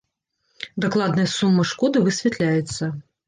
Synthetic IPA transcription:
d̪aklˠad̪nɐjɐsumːɨʂkɔd̪ɨvɨsʲvʲɛt̪lʲajɛt̪sːɐ

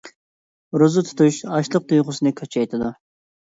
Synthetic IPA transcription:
ɾuzɨt̪ʰu̥t̪uʃɑʃlˠəq̚d̪ujʁʊsɨnɨkʲʰɑt͡ʃʰɑjt̪ʰɨd̪u

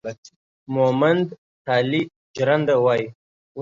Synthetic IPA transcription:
momand̪ | t̪ʰɑːli | d͡ʒɾand̪awaji

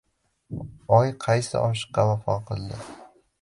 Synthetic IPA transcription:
ɒjqʰɑjsɪ̰ʔɒʃɨ̥qːɑvafɒ̰qʰɨlˠd̪ɪ

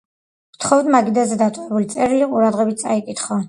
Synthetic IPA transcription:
vt̪ʰχɔvd̪maɡid̪azɛd̪at̪ʼɔɛbulit̪sʼɛɾiliqʼuɾad̪ʁɛbit̪̚tsʼaikʼit̪ʰχɔ

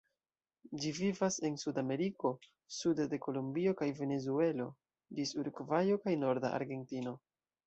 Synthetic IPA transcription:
d͡ʒivivase̞nsudame̞ɾiko̞ | sudede̞ko̞lumbio̞kajve̞ne̞zue̞lo̞ | disuɾkvajo̞kajno̞ɾda̰a̰ɾɡe̞ntino̞

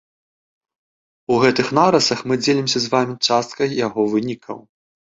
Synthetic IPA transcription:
uɣɛt̪ɨxnaɾɐsɐxmɨd͡zʲelʲimsʲɐzvamʲit͡ʂast̪̚kɐjjaɣɔvɨnʲikʰɐ̰w

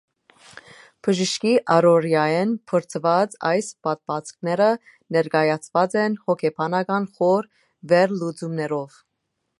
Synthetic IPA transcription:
b̥əʒəʃkiʔɑɾɔɾjɑjɛnpʰəɾt͡sʰəvɑd͡zɑjspɑt̪̚pɑt͡sk̚ʰnɛɾə | nɛɾɡɑjɑt͡sʰvɑt͡sɛnhɔkʰɛpʰɑnɑɡɑnχɔɾ | vɛɾlud͡zumnɛɾɔv

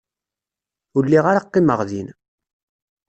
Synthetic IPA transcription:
ʊɾlːiʁaɾaqːiməʁðin

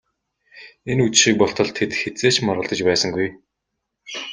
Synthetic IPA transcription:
enut͡ɕʃiːk̚pɔɬt̪ɞ̆ɮt̪ʰet̪xet͡seːt͡ɕmɔrʁə̆ɮt̪ə̆t͡ɕpæːsə̆ŋɡuj

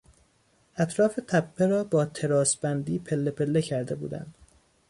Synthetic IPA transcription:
ʔæt̪ʰɾɒːfe̞t̪ʰæpʰːeɾɒːbɒːt̪ʰe̞ɾɒːsbænd̪iːpʰe̞lːe̞pʰe̞lːecʰæɾd̪e̞bṵːd̪æ̰nd̪̥

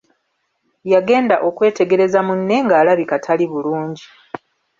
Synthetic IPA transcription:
jaɡe̞ːndaʔo̞kwe̞ːte̞ɡe̞ɾe̞zamunːe̞ŋɡaːlaβikatʰaliβuluːɲɟi

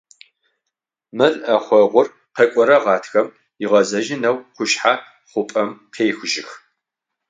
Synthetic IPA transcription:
mɨrɐχʷɔʁʷʊr | qekʷʼɔɾɐʁɑːtʰxɐm | ɪʁɐzɐʒɪnɐwqʷʊʃħa | χʷʊpʼɐmqʰeːxʒɪx

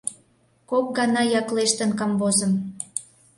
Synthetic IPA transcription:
kok̚ɡɑnɑjɑkleʃt̪ə̆nkɑmbozə̆m

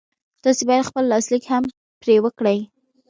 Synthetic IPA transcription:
d̪̥ɑsebɑjad̪xpəlːɑslikham | pɾewəkɽəj

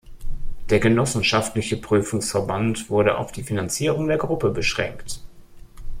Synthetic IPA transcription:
d̥eːɐɡənɔsn̩ʃaftlɪçəpʁ̥yːfʊŋsfɛɐbantv̥ʊɐɾəʔa̰ʊfd̥iːfinant͡siːʁ̞ʊŋdeːɐɡʁʊpəbəʃʁ̥ɛ̰ŋkt

